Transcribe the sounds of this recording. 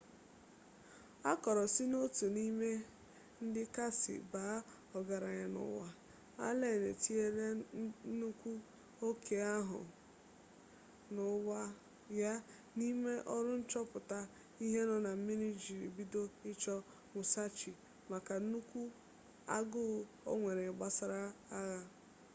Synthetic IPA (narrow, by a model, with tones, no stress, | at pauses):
a˦kɔ˨ɾɔ˨sɪ˦no˦tu˨ni˦me˦ | n̩˦dɪ˦ka˦sɪ̰˨baː˨˦ | ɔ˨ɡa˨ɾa˨ɲa˨nʊ̰˨wa˦ | a̰˦le˦˨ne˨ti˦e˦ɾe˦nu˦kʷu˦ | o˦kʰe˨a˦ɦʊ̰˨ | nʊ˨wa˦ | ja˦ | ni˦me˦ʔɔ˦ɾʊ˦n̩˦t͡ʃɔ˦pʊ˨ta˦ | i˦ɦe˦nɔ˦na˨˦mi˦ni˦d͡ʒi˨ɾi˨bi˦do˦ɪ˦t͡ʃɔ˦ | mʊ˨sa˦t͡ʃi˨ | ma˨ka˨˦nu˦kʷu˦ | a̰˦ɡʊ˦ | o̰˦ŋʷe˨ɾe˨ɡ͡ba˦sa˦ɾa˦a˦ɣa˦